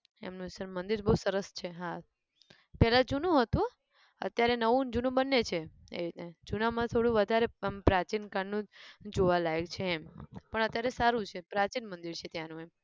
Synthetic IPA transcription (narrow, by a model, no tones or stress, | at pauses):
ḛmnũsəɾmənd̪iɾbəɦusəɾəst͡ʃʰeɦa | pɛɦlad͡ʒunũɦət̪ũ | ə̰t̪jaɾenəʋũnd͡ʒunũbənːet͡ʃʰe | ḛined͡ʒunamãt̪ʰoɽũʋəd̪ʱaɾepɾat͡ʃinkaɳnũd͡ʒoʋalaeɡt͡ʃʰeːmpəɳət̪jaɾesaɾũt͡ʃʰepɾat͡ʃinmənd̪iɾt͡ʃʰet̪janũem